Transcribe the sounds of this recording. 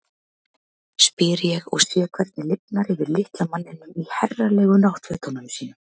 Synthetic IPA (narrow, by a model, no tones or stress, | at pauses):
spɪːɾɪjɛɣɔɣsɛːkʰvɛɾ̥t̪̚nɪlɪpnaɾɪvɪɾlɪht̪lamanːɪnːʏmihɛrːalɛːɣʏnawht̪vɛt̪ʰɔnanʏsiːnʏ